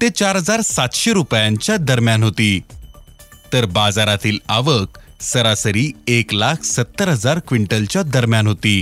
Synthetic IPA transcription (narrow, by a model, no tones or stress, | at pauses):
t̪et͡ɕaɾɦəd͡zaɾsat̪ɕeɾupjãɲt͡ɕjad̪əɾmjanɦot̪iː | t̪əɾbad͡zaɾat̪iːlaʋək̚səɾasəɾiːeklakʰsət̪ːəɾɦəd͡zaɾkʋiɳʈəlt͡ɕjad̪əɾmjanɦot̪iː